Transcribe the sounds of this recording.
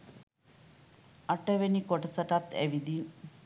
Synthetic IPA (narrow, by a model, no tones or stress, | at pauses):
ɐʈɐʋenikoʈɐsɐʈɐt̪ːæ̰ʋid̪i